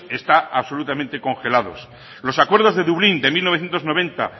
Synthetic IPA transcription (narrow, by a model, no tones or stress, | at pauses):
e̞st̪aaβso̞lut̪amẽnt̪e̞ko̞ŋxe̞laðo̞̰s | lo̞sakwe̞ɾðo̞zðe̞ðuβlind̪e̞milnoθje̞nt̪o̞zno̞β̞ẽ̞nt̪a̰